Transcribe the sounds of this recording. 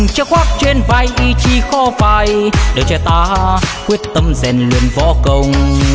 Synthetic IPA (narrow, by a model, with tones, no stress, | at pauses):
ŋt͡ɕə˦˧˥k̚xwaː˦˥k̚t͡ɕwe˧nvaː˧˩jʔi˧t͡ɕi˧xɔ˧faː˨˩jɗə˨˩t͡ɕɔ˧t̪aː˧kwi˦˥ət̚t̪ə˧mzɛ˨˩nlwḭ˨˧˩ənvɔ˧˦kə˧wŋ͡m